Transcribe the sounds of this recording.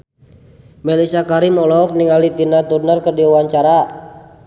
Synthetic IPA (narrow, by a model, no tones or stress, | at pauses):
mɛlisakaɾimɔlɔk̚niŋalit̪inat̪unərkərdiuwaɲt͡ʃaɾa